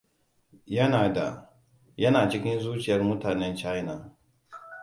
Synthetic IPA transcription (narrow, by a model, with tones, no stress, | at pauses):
jɐ˦naː˨da˨ | jɐ˦naː˨t͡ʃɪ˦kʲɪ˦nzuː˦t͡ʃɪ˨jɐ˦rmʊ˦taː˨nɛ˦nt͡ʃa˦jnaː˨